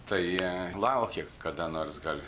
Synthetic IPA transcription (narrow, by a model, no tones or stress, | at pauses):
t̪ɐɪilˠɐʊkʲekɐd̪ɐnoːrsɡɐlʲ